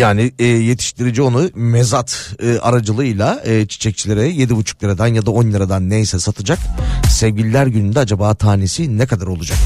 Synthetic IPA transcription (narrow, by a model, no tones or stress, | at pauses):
jaːniːje̞t̪ʰi̥ʃt̪ʰiɾid͡ʒio̞numɛzat̪ɯːʔa̰ɾad͡ʒɯlˠɯjlˠaɯːt͡ʃʰi̥t͡ʃʰɛc̚t͡ʃʰilʲeɾɛje̞d̪ibut͡ʃʰu̥klˠaɾad̪anjad̪ao̞njaɾad̪anːejsɛsat̪ʰɯd͡ʒaksɛvɟilʲilʲæɾɟynynd̪ɛad͡ʒabaːt̪ʰaːnesinɛkad̪aɾo̞lˠud͡ʒak